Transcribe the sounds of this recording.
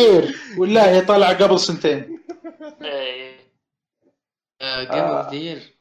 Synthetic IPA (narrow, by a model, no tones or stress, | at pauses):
iːɾwɪlːahiːt̪ˤɑlʕaɡabɪlsɪnt̪eːn | e | ʔɡadiːɾ